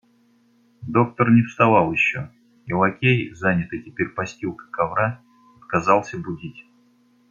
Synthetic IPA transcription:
d̪o̞k̚t̪ərnʲɪfst̪ɐvalˠjɪɕːo | ilˠɐkʲejzanʲɪt̪ɨjtʲɪpʲeɾʲpɐsʲtʲilˠkə̥kɐvɾa | ɐt̪̚kɐzɑlˠsʲəbʊdʲitʲ

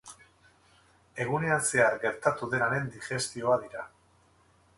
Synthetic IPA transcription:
e̞ɣ̞une̞anse̞aɡe̞ɾt̪at̪uðe̞naɾe̞nd̪iʝe̞st̪io̞aðiɾa

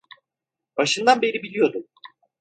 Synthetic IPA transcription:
b̥aʃɯnd̪anbe̞ɾibilʲijo̞d̪um

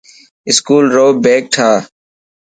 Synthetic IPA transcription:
ɪskuːlɾoːbeːk̚ʈʰaː

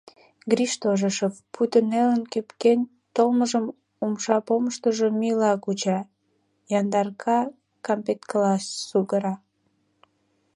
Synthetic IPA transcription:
ɡɾiʃt̪oʒəʃəvput̪ənelənkepken | t̪olməʒəm | umʃɑpoməʃt̪əʒomilɑkut͡ɕɑ | jɑnd̪ɑrkʰɑ | kɑmpet̪klɑsːuɣəɾɑ

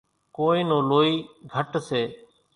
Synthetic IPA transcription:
koːĩːnõːloːiːɡʱəʈseː

